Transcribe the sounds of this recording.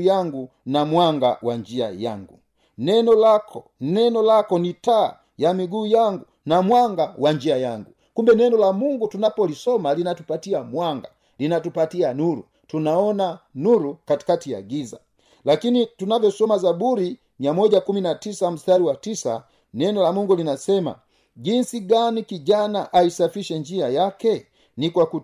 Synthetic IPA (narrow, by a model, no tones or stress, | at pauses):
aŋɡu | namwaŋɡa̰waɲd͡ʒia̰ja̰ŋɡu | nɛnɔlakɔ | nɛnɔlakɔnita̰ː | jamiɡuːjaŋɡu | namwaŋɡawaɲd͡ʒiajaŋɡu | kumbɛnɛnɔlamuŋɡutunapɔlisɔmalinatupatiamwaŋɡa | linatupatianuɾṵ | tunaɔnanuɾukati̥katija̰ɡiza̰ | lakinitunavɔsɔmazabuɾi | ɲamɔɟakuminatisam̩staɾiwatisa̰ | nɛndɔlamuŋɡulinasɛma̰ | ɟinsiɡanikiɟanaʔaisafiʃɛɲd͡ʒiajakɛ | nikwaku